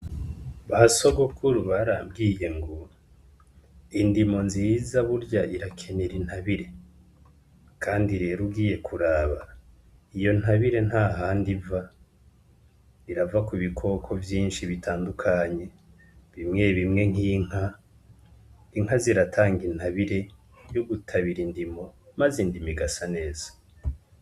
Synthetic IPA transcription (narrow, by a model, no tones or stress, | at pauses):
βasoɡokʰuɾuβaɾaːbɡiːje̞ŋɡo | indimo̞nziːzaβuɾɟaiɾakʰe̞neɾin̥haβiɾe̞ | kʰaːndiɾe̞ːɾuɡiːje̞kʰuɾaːβa | ijo̞n̥haβiɾe̞n̥haɦaːndiva | iɾavakuβikʰo̞kʰo̞vjiːnʃiβitʰaːndukʰaɲe̞ | βimŋe̞βimŋe̞ŋ̥iːŋ̥ha | iŋ̥haziɾatʰaːŋɡin̥haβiɾe̞ | joɡutʰaβiɾindimo̞mazindimiɡasane̞ːz̥ḁ